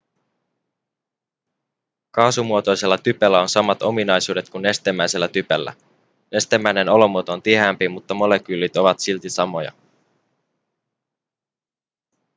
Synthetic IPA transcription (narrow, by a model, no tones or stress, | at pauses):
kɑːsumuot̪o̞jse̞lːɑt̪ypelːæo̞nsɑmɑt̪o̞minɑjsuːde̞t̪̚kunːe̞st̪emːæjse̞lːæt̪ypelːæ̰ | ne̞st̪emːæjne̞no̞lo̞muot̪oont̪ihæːmpimut̪ːɑmo̞le̞k̟ylːit̪o̞ʋɑt̪silt̪isɑmo̞jɑ̰